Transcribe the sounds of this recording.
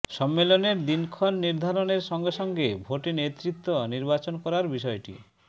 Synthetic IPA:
ʃɔmːeloneɾd̪inkʰɔnːiɾd̪ʱaɾoneɾʃɔŋɡeʃɔŋɡebʱoʈinet̪ɾit̪ːoniɾbat͡ɕonkɔɾaɾbiʃɔeʈḭ

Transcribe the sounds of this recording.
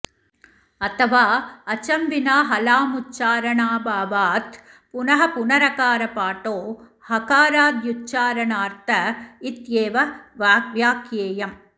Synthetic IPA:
ɐt̪ʰɐʋaːɐt͡ʃɐmʋinaːɦɐlaːmutːt͡ʃaːɾɐɳaːbaːʋaːt̪ | punɐɦɐpunɐɾɐkaːɾɐpaːʈoː | hɐkaːɾaːd̪jutːt͡ʃːaːɾɐɳaːɾt̪ʰɐit̪jeːʋɐʋaːʋjaːkjeːjɐm

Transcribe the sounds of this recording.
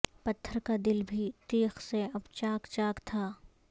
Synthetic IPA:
pɐt̪ʰːəɾkad̪ɪlbʱit̪eːxseɐbt͡ʃaːkt͡ʃaːkt̪ʰaː

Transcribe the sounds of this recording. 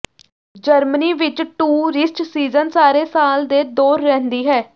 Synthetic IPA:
d͡ʒəɾməniːʋɪt͡ʃʈuːɾɪsʈsiːzənsaːɾeːsaːld̪eːd̪oːɾːɛ̃ːnd̪iːɦɛː

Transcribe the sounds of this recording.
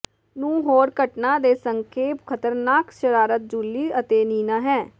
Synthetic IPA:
nũːɦoːɾkəʈnãːd̪eːsəŋkʰeːpkʰət̪əɾnaːkʃəɾaːɾət̪̚d͡ʒuːliːət̪eːniːnaːɦɛː

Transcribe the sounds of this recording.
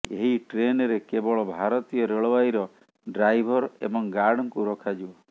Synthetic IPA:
eɦiʈɾenɔɾekebɔɭɔbʱaɾɔt̪ijɔɾeɭɔbajɾɔ | ɖɾajbʱɔɾḛbɔŋɡaɾɽɔŋkuɾɔkʰad͡ʒiɔ

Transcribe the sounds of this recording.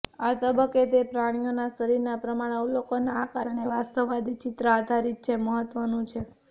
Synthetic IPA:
at̪əbəkːet̪epɾaɽ̃ijonasəɾiɾnapɾəmaɽ̃eulokonaakaɾəɳ̃eʋast̪əʋːad̪it͡ʃit̪ɾəad̪ʱaɾit̪̚t͡ʃʰeməɦət̪ʋənũt͡ʃʰe

